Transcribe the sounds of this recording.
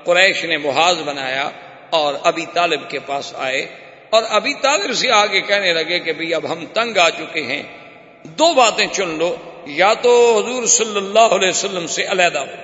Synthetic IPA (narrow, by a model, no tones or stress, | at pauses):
qʊɾɛːʃnebʊɦaːzbɐnaːja̰ | ɔːɾɐbit̪aːlɪb̚kepaːsa̰ːe | ɔːɾɐbʱit̪aːlɪbseaːɡekɛɦnelɐɡekebʱɐiɐbɦɐmt̪ɐ̃ŋɡaːt͡ʃʊkeɦɛ̰̃ː | d̪oːbaːt̪ẽt͡ʃʊnloːjaːt̪oɦʊzuːɾsɐlːəlːaːɦʊəlɛːsəlːəmseʔɐlɛːd̪ao